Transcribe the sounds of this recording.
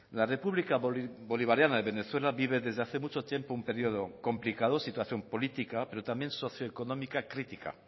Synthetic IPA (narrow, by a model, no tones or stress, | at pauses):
lare̞puβlikabo̞liβaɾjanaðe̞βe̞ne̞θwe̞laβiβ̞e̞ðezðeaθemut͡ʃot̪jempoumpe̞ɾioð̞oko̞mplikað̞osit̪waθjo̞mpo̞lit̪ikape̞ɾo̞t̪ambje̞nso̞θjoeko̞nõmikakɾit̪ika̰